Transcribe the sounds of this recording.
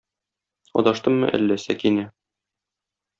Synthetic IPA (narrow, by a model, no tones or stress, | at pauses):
ɒ̰d̪ɑʃt̪ɤmːɤ̰ʔæ̰lːæsækinæ